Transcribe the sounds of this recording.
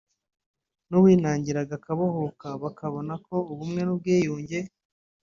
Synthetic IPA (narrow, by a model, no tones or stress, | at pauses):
nuβwiːnaːɲɟiɾaɡakaβohokaβakaβonako̞uβumŋe̞nub̚ɡiːjuːɲɟe̞